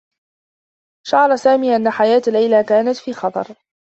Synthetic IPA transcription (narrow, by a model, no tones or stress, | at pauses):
ʃaʕɑɾˤasaːmiːʔanːaħajaːt̪alːajlakaːnat̪fiːxɑt̪ˤɑ̰ɾˤ